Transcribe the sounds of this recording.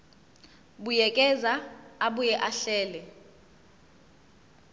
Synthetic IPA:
ɓujɛkʼɛzaaɓujɛʔaɬɛːlɛ

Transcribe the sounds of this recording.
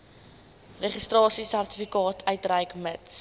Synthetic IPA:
reχistrɑːsisærtifikɑːtʰœɥtrəjkməts

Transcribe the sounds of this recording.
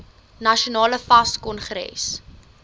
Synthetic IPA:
nɐʃionɑːləfɐskɔnχɾɛ̰s

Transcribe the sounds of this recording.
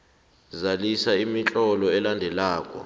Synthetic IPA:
zalisaimit͡ɬʼɔlɔɛlandʱɛlaːkʼɔ̰

